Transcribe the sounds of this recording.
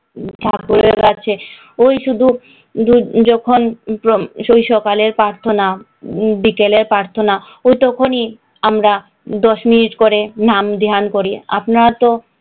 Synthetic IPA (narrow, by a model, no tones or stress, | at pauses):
ʈʰakpoɾebeɡaɾt͡ɕʰe | ojʃud̪ʱu | d̪ud͡ʑɔkʰonpoojʃɔkaleɾpɾaɾt̪ʰona | bikeleɾpɾaɾt̪ʰona | ojt̪ɔkʰoni | amɾa | d̪ɔʃminiʈkoɾenamd̪eɦankoɾia̰pnat̪o